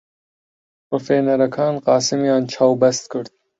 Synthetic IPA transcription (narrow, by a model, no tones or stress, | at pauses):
pɾofeːnɐɾɐkʰɑːnqɑːsimijɑːnt͡ʃʰɑːwbɛst̪̚kʰɨɾd̪